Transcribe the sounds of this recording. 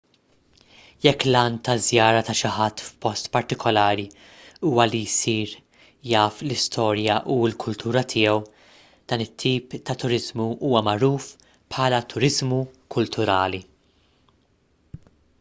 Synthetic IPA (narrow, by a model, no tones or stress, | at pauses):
jɛkːlɐːnt̪ɐzjɐːɾɐt̪ɐʃɪħɐt̪ːfpɔst̪pɐɾt̪ɪkʰɔlɐːɾi | uːwɐlijsiːɾ | jɐːflɪst̪ʰɔːɾjɐʔuɪlkʰʊlt̪ʰuːɾɐt̪ʰɪːɛw | d̪̥ɐːnɪt̪ʰːiːpt̪ɐt̪ʊɾɪzmuʔuːwɐmɐɾuːf | pħɐːlɐt̪ʰʊɾɪzmukʰʊlt̪ʰʊɾɐːli